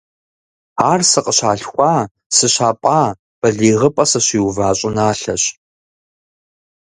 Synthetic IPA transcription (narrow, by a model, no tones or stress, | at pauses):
aːrsɨqʼəɕaːɬxʷaː | sɨɕaːpʼaː | b̥ɐɮiːʁəpʼɐsɐɕiːwvaːɕʼɪnaːɬɐɕ